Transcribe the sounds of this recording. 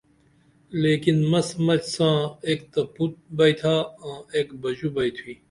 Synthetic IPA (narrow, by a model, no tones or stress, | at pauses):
leːkinmɐsmɐt͡ɕsãːeːk̚t̪ɐput̪̚bɐjt̪ʰaːãːeːkbɐd͡ʑubɐjt̪ʰuwiː